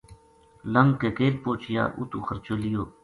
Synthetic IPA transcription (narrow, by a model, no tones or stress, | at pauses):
ləŋkeːkeːl̚poːt͡ʃʰija̰ːʔṵt̪uːxəɾt͡ʃoːlijoː